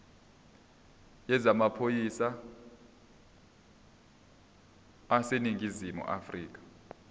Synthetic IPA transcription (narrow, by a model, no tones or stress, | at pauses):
jɛzamapʰojisa | seniŋʱizimṵʔa̰friːk̬ʼḁ